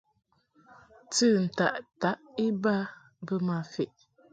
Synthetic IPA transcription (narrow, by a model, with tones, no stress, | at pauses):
tɨ˦˨n̩˨ta̰˨ʔta˨˦ʔi˦ba˦ | bə˦ma˨fe˨ʔ